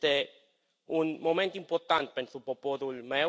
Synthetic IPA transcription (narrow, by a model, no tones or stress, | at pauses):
t̪e | unmomẽnt̪impoɾt̪ant̪e̥pensupopoðulme